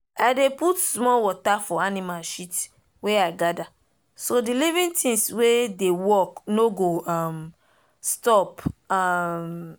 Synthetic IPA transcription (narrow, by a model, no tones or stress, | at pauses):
aɪdeputsmɔlwɔtafɔanimalʃit | weaɪɡada | sodilivĩntʰĩŋswedewɔknoɡoam | stɔpam